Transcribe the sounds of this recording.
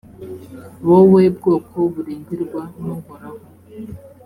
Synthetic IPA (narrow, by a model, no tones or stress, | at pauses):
βoβweːb̚ɡoːkʰoβuɾiːɲɟiɾɡwanoŋɡoɾaho